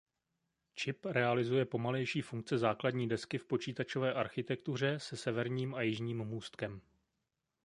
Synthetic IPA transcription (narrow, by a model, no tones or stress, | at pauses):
t͡ʃɪpɾɛalɪzujɛpo̞malɛjʃiːfuŋk̚t͡sɛzaːkladɲiːdɛskɪfpo̞t͡ʃiːt̪at͡ʃo̞vɛːʔaɾxɪt̪ɛk̚t̪ur̝ɛsɛsɛvɛɾɲiːmajɪʒɲiːmmuːst̪kɛm